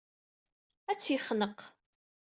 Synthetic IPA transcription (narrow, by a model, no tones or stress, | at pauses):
æt͡sːjiχnəq